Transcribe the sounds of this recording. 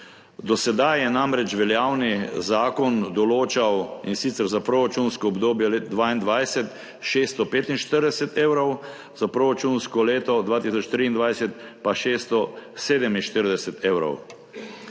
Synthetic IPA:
d̪ɔsɛd̪ajɛnamɾɛt͡ʃʋɛljaːwnizaːkɔnd̪ɔloːt͡ʃawinsit̪sɛɾzapɾoɾat͡ʃunskɔɔbd̪oːbjɛled̪ʋaːind̪ʋajsɛt̪ | ʃeːst̪ɔpeːt̪inʃt̪əɾd̪ɛsɛt̪eːwɾɔw | zapɾoɾat͡ʃunskɔleːt̪ɔd̪ʋaːt̪isɔt͡ʃt̪ɾiːnd̪ʋajsɛt̪paʃeːst̪ɔseːd̪ɛminʃt̪əɾd̪ɛsɛt̪ʰeːwɾɔ̰w

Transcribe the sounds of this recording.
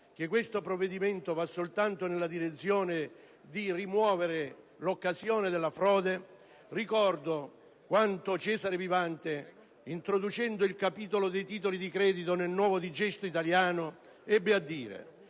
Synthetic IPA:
k̟ɪkːwest̪opɾovːed̪imɛnt̪ovasːolt̪ant̪onelːad̪iɾet̪sːjoːnɪ | d̪irimwɔːveɾɪ | lokːazjɔːnɪd̪elːafɾɔːd̪e | rikɔrd̪o | kwant̪ot͡ʃɛːzaɾevivant̪e | int̪ɾod̪ut͡ʃɛnd̪oilkapiːt̪olod̪ɛjt̪iːt̪̬olid̪ikɾɛːd̪it̪onelnwɔːvod̪id͡ʒɛst̪oit̪aljaːnʊ | ɛbːɪad̪ːiːɾḛ

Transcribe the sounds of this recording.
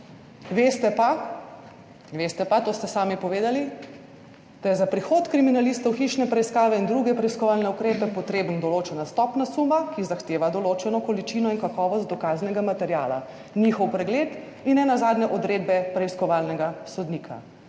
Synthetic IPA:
ʋest̪ɛpa | ʋest̪ɛpat̪oːst̪ɛsaːmipɔʋeːd̪ali | d̪̥ajɛzapɾixoːt̪kɾiminalist̪ɔwxiʃnɛpɾɛiskaːʋɛind̪ɾuɡɛpɾɛiskɔʋaːlnɛukɾeːpɛpɔt̪ɾeːbənd̪ɔloːt͡ʃɛnast̪ɔpnasumakizaxt̪eːʋad̪ɔloːt͡ʃɛnɔkɔlit͡ʃinɔinkakɔːʋɔst̪ɔkaznɛɡamat̪ɛɾjaːla̰ | nixɔwpɾɛɡleːt̪ | inːɛnazaːd̪nɛʔɔd̪ɾeːd̪bɛpɾɛiskɔʋalnɛɡasɔd̪nikʰa̰

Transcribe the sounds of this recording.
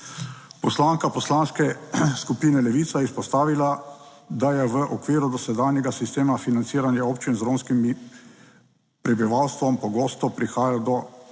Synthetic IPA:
pɔslaːŋkapɔslaːnskɛskupiːnɛlɛʋiːt̪sajɛspɔst̪aːʋila | d̪ajɛʋəʔɔkʋiːɾud̪ɔsɛd̪aːnjɛɡasist̪eːmafinant̪iːɾanjɛoːpt͡ʃinzɾoːnskimi | pɾɛbiʋawst̪ʋɔmpɔɡoːst̪ɔpɾixaːjad̪ɔ

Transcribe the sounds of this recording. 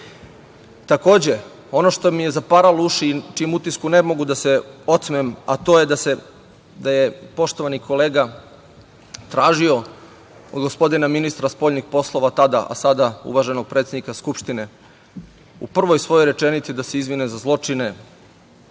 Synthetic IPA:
t̪ako̞ːd͡ʑe̞ | o̞no̞ʃt̪o̞mije̞zapaɾaluʃit͡ʃimut̪iskune̞mo̞ɡud̪ase̞o̞t̪smema̰t̪o̞ːjed̪ase | d̪ajepo̞ʃt̪o̞ʋanikʰo̞le̞ːɡa | t̪ɾaːʒio̞ | od̪ɡo̞spo̞d̪inaminist̪ɾaspo̞ʎʲnixpo̞slˠo̞ʋat̪ad̪aʔa̰sad̪aṵʋaʒe̞no̞ɡ̚pɾet̪sʲed̪nikaskupʃt̪ine̞ | ṵpr̩ʋo̞jsʋo̞joɾe̞t͡ʃenit̪sid̪aseizʋinezazlˠo̞t͡ʃine̞

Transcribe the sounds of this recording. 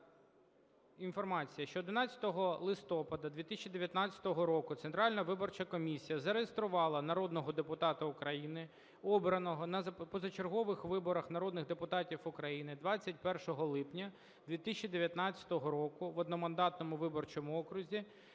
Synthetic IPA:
infɔrmɑt͡sʲijɐʃt͡ʃɔːd̪ɪnɑt͡sʲɐ̥t̪ɔɦɔlˠɪst̪ɔpɐd̪ɐd̪ʋʲit̪ɪsʲt͡ʃʲid̪eʋʲjɐt̪nɑt͡sʲɐ̥t̪ɔɦɔɾɔkʊt̪sent̪ɾɑlʲnɐʋɪbɔrt͡ʃɐkɔmʲisʲijɐzɐɾejest̪ɾʊʋɑlˠɐnɐɾɔd̪nɔɦɔd̪epʊt̪ɑt̪ɐʊkɾɐjinɪ | ɔbɾɐnɔɦɔnɐzɐpɔzɐt͡ʃerɦɔʋɪxʋɪbɔɾɐxnɐɾɔd̪nɪɣd̪epʊt̪ɑtʲifʊkɾɐjinɪd̪ʋɑt͡sʲːɐt̚ʲpɛrʃɔɦɔlˠɪpnʲɐ | d̪ʋʲit̪ɪsʲt͡ʃid̪eʋʲjɐt̪nɑt͡sʲːɐ̥t̪ɔɦɔɾɔkʊʋɔd̪nɔmɐnd̪ɑt̪nɔmʊʋɪbɔrt͡ʃɔmʊɔkɾʊzʲi

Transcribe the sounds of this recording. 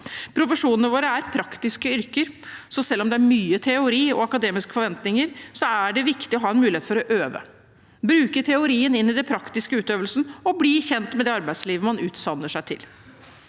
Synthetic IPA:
pʰɾʊfəʂuːnənəʋoːɾəæɾpʰɾɑkt̪ɪskəʏɾkəɾsɔsɛlːɔmd̪ɛæɾmyːət̪ʰɛʊɾiːɔ̰ɑkɑd̪eːmɪskə̥fɔɾʋɛnt̪nɪŋəɾsɔæɖɛʋɪkt̪ɪɔɦɑːɛnmʉːlɪheːt̪fɔɾɔʔøːʋə̰ | bɾʉːkəʈʰɛʊɾiːənɪnːɪd̪ɛnpʰɾɑkt̪ɪskəʉːt̪øːʋəlsnɔbliːçɛnt̪mɛd̪ɛːɑɾbæɪd̪sliːʋəmɑnʉːt̪sɑnːəʂæɪt̪ʰɪ̰l

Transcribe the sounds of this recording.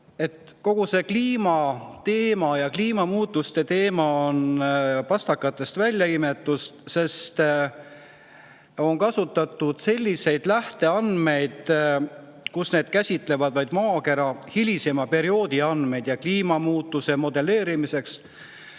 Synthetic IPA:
e̞t̪ko̞ɡ̥use̞kliːmɑt̪e̞ːmɑjɑkliːmɑmuːt̪ːˑust̪e̞t̪e̞ːmɑonpɑst̪ɑkːɑt̪ːˑe̞st̪vælʲːjɑime̞t̪ːˑust̪se̞st̪ | o̞nkɑsut̪ˑːɑt̪ːˑud̪̥se̞lʲːise̞jd̪̥læht̪e̞ɑnme̞jd̪̥ | kusne̞ːd̪̥̚kæsʲit̪ˑle̞vɑd̪̥vɑjd̪̥mɑːke̞ɾɑhilʲise̞mɑpe̞ɾio̞ːd̪̥iɑnd̪me̞jd̪̥jɑkliːmɑmuːt̪ːˑuse̞mo̞d̪e̞le̞ːɾimise̞ks

